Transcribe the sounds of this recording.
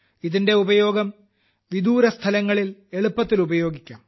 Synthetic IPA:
iðinde̞ubɐjo̞ːɡɐm | ʋid̪uːɾɐst̪ʰɐlɐŋːɐɭile̞ɭupːɐt̪ːilubɐjo̞ːɡikʲːa̰ːm

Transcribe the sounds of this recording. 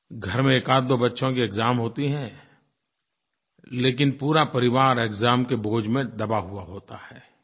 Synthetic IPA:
ɡʱɐɾmẽeːkaːt̪̚d̪oːbɐtːʃõkiɪkzaːmɦoːt̪iɦɛ̃ː | leːkɪnpuːɾapɐɾɪʋaːɾekzaːmkeboːd͡ʒmẽd̪ɐbaɦuaɦoːt̪ahɛː

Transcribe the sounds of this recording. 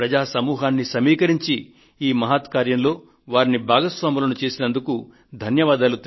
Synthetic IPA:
ɾɐd͡ʒaːsɐmuːɦaːnːisɐmiːkɐɾiɲt͡ʃi | iːmɐɦaːt̪kaːɾjɐmlo̞ː | ʋaːɾinibʱaːɡɐsʋaːmulɐnut͡ʃe̞ːsinɐnd̪uku | d̪ʱɐnjɐʋaːd̪aːlut̪

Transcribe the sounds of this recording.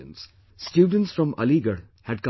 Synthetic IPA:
ə̰̃nz̥ | sʈjuːɖə̃nʈsfɾɔ̃mə̰liɡəɾ | hæɖ̚kʌ̃

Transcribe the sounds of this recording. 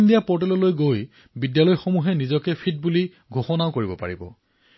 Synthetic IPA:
ndijapɔɹt̬ɛlɔlojɡoj | bidjalɔjxomuɦɛnizɔkɛpʰit̚buli | ɡʱoxɔnaʊkoɹibɔpa̰ɹibɔ̰

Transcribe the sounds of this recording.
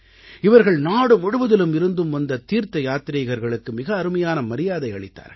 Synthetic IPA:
ɪʋɐɾɣɐɭnaːɽɯmʊɽɯʋɐðɪlɯmɪɾɯnd̪ɯmʋɐnd̪ɐt̪iːɾt̪ɐjaːt̪ɪɾɐɣɐɾɣɐɭɯkːɯmɪɣɐːɾɯmɐjaːnɐmɐɾɪjaːðɐɪɐɭɪt̪ːa̰ːɾ

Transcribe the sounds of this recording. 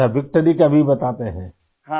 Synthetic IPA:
aʋɪk̚ʈəɾikɐbʱibɐt̪aːt̪eɦɛ̰̃ː

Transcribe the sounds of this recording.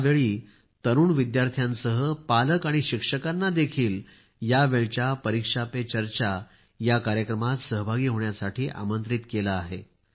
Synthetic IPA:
aʋeɭiː | t̪əɾuːɳʋid̪jaɾt̪ʰjãnsəɦəpaləkaɽ̃iɕikʂəkanːad̪ekʰiːl | jaʋeɭt͡ɕjapəɾikʂapet͡ɕəɾt͡ɕa | jakaɾjəkɾəmat̪səɦəbʱaɡiːɦoɳjasaʈʰiːʔa̰mənt̪ɾit̪kelaːɦe

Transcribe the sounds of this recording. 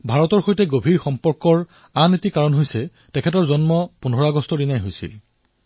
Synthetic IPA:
bʱaɹɔtɔɹxojtɛɡobʱiɹxɔmpɔɹkɔɹ | anetikaɹɔnɦojsɛ | tɛkʰɛtɔɹzɔnmɔpunʱɔɹaɡɔstɔdinajɦojsḭl

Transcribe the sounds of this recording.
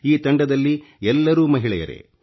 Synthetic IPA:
iːt̪ɐɳɖɐd̪ɐlːi | ɛlːɐɾuːmɐɦiɭɛjɐ̰ɾḛ

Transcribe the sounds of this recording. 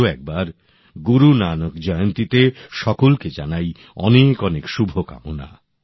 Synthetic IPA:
ɛk̚baɾ | ɡuɾunanokd͡ʑɔjont̪it̪eʃɔkolked͡ʑanaj | ɔnekɔnekʃubʱoka̰mo̰na̰

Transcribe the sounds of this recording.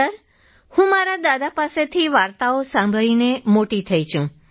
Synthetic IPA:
əɾ | hũmaɾad̪ad̪apaset̪ʰiʋaɾt̪aosãmbʱəɭinemoʈit̪ʰəit͡ʃʰũ

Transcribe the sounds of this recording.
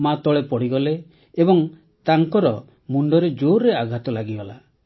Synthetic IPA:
mat̪ɔɭepɔɽiɡɔleː | bɔŋ | t̪aŋkɔɾɔ | muɳɖɔɾed͡ʒoɾːeaɡʱat̪ɔlaɡibɔla̰

